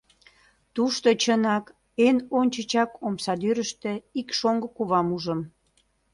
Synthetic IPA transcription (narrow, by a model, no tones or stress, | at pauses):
t̪uʃt̪ot͡ɕənɑk | enonʲt͡ɕət͡ɕɑkomsɑd̪yɾəʃt̪ĕikʃoŋɡəkuβɑmuʒəm